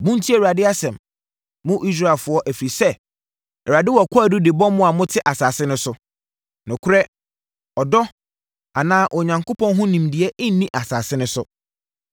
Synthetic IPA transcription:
bʊ̃˦n˦tʰi˦ɛ˨wa˨dɪ˦a˦sɛ̃˨m | mʊ̃˦ʔi˦s̬ɾa˦˨e˨lfʊ˨ɔ˦ʔæ˨fi˨ɾi˨sɛ˦ | ɛ˨wa˨dɪ˦wɔ˨kʷʰɔ˦æ˨dʊ˦dɪ˨bɔ̃˦mʊ̃˦a˨mʊ̃˦tʰɪ˦ʔa˨saː˨sɪ˦nʊ̃˦sʊ˦ | nʊ̃˨kʰʊ˦ɾɛ˦ | ɔ˨dɔ˦ | a˨nãː˦ʔɔ˨ɲã˨ŋkʰo˦pʰɔ̃˦nɦʊ̃˦nĩ˨mdɪ˨ɛ˦ɪ̃˦n̩˦nĩ˦ʔa˨saː˨sɪ˦nʊ̃˦sʊ˦

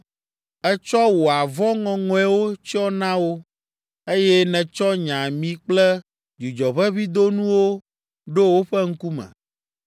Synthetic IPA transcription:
ɛ˦t͡ʃɔ˦wo˨a˨vɔ˦ŋɔ̃˨ŋɔ̃˨ɛ˦wo˦t͡ɕi˦ɔ˦nã˦wo˦ | e˦jɛ˦nɛ̃˨t͡ʃɔ˦ɲã˨mĩ˦k͡plɛ˦ | d͡ʒu˨d͡ʒɔ˨βɛ˦βi˦d̪o˦nũ˦wo˦ | ɖo˦wo˦ɸɛ˦ŋ̩˦ku˦mɛ̰̃˨

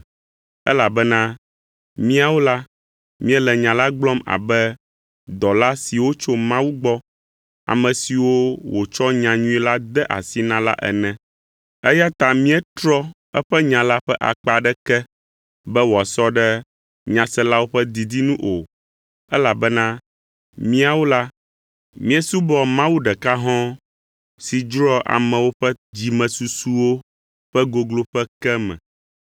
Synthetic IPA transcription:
ɛ̰˦la˨bɛ˦nã˦ | mĩ˦a˨wo˦la˦ | mĩ˦ɛ˦lɛ˨ɲã˨la˦ɡ͡blɔ˦ma̰˨bɛ˦ | d̪ɔ˨la˦si˨wo˦t͡ʃo˦mã˦wu˦ɡ͡bɔ˦ | a̰˨mɛ̃˨si˨wo˦wo˨t͡ʃɔ˦ɲã˨ɲũ˦i˦la˦d̪ɛ˦ʔa̰˨si˦nã˦la̰˦ʔɛ̰˨nɛ̃˨ | ɛ˦ja˦t̪a˨mĩ˦ɛ˦t̪ɾɔ˦ | ɛ˦ɸɛ˦ɲã˨la˦ɸɛ˦ʔa̰˨k͡pa˨ɖɛ˦kɛ˦ | bɛ˦wa˨sɔ˦ɖɛ˦ | ɲã˨sɛ˦la˦wo˦ɸɛ˦d̪i˨d̪i˦nũ˦ʔo˨ | ɛ˦la˨bɛ˦nã˦ | mĩ˦a˨wo˦la˦ | mĩ˦ɛ˦su˦bɔ˦mã˦wu˦ɖɛ˨ka˦ɦɔ̃˦ | si˨d͡ʒɾɔ˦ʔa̰˨mɛ̃˨wo˦ɸɛ˦d͡ʑi˨mɛ̃˨su˨su˦wo˦ | ɸɛ˦ɡo˨ɡlo˦ɸɛ˦kɛ˦mɛ̰̃˨

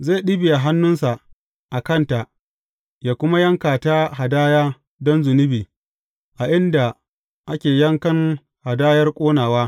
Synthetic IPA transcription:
zeː˦˨ɗi˦bi˨ʔa˨ɦa˦nːʊ˦nsa˨ʔ | ʔa˨kɐ˦˨nta˨ʔ | jaː˨kʷʊ˦ma˦jɐ˦ŋkaː˨taː˦ha˨daː˦jaː˦ | dɔ˦nzʊ˨nɪ˦biː˨ | ʔa˨ʔɪ˦nda˨ | ʔa˦kʲeː˨jɐ˦ŋkɐ˦ŋ | ha˨daː˦jɐ˦rkʷʼoː˦naː˨waː˦

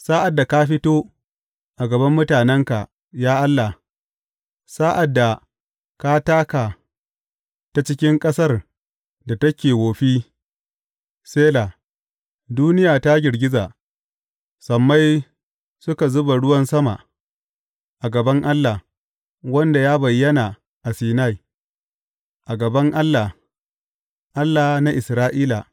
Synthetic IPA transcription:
saː˦ʔa˨dːa˨ka˦ɸɪ˦toː˦ | ʔa˨ɡɐ˨bɐ˦mːʊ˦taː˨nɛ˦ŋka˨ʔ | jaː˦ʔa˦lːa˨ | saː˦ʔa˨dːa˨ | ka˦taː˦ka˨ | ta˨t͡ʃɪ˦kʲɪ˦ŋkʼɐ˦sɐ˦r | da˨tɐ˦kʲeː˨woː˨ɸiː˦ | seː˦la˨ | duː˦nɪ˦jaː˨ta˦ɡʲɪ˨ɽɡʲɪ˦zaː˨ | sɐ˨mːa˦j | sʊ˦ka˨zʊ˦ba˨ɽʊ˦wɐ˦nsɐ˦ma̰˨ | ʔa˨ɡɐ˨bɐ˦ŋʔa˦lːa˨ | wɐ˦nda˨jaː˦bɐ˨jːɐ˦na˨ | ʔa˨siː˨na˦j | ʔa˨ɡɐ˨bɐ˦ŋʔa˦lːa˨ | ʔa˦lːa˨na˦ʔɪ˨sɾaː˦ʔiː˦la̰˨

